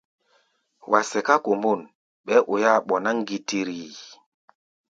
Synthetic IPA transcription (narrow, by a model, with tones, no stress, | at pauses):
wʔa˨sɛ˨ka˦ko˨mbu˦˨n | ɓɛ˦ʔu˨ja˦ɓɔ˨na˦ŋ˦ɡi˦ti˦ɾi˨